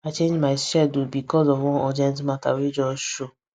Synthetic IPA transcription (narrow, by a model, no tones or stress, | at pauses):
at͡ʃẽnd͡ʒmajʃɛdobikɔzɔwɔ̃ɔd͡ʒɛ̃ntmãta̰wid͡ʒɔʃo